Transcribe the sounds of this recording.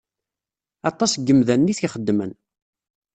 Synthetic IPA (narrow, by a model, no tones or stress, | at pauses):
ɑt̪ˤːɑsɡːəmðænːiθçiχəd̪ːmən